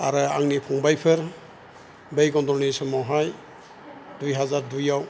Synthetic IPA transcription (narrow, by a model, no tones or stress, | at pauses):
aɾɯaŋnipʰɔŋbajpʰeɾ | bejɡɔndɔnisɔmɔɦaj | dujɦazaɾdujaw